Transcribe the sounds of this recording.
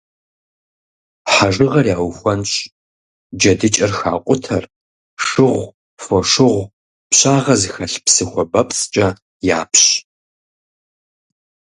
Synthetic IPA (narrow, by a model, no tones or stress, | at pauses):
ħaʒɨʁɐrjaːwxʷɐnɕʼ | d͡ʒɐdɨt͡ʃʼɐrxa̰ːqʷʼʊtʰɐr | ʂɨʁʷ | foʂɨʁʷ | pɕʼaːʁɐzxɐɬpsɨxʷɔbɐpst͡ʃʼɐ | ja̰ːpɕ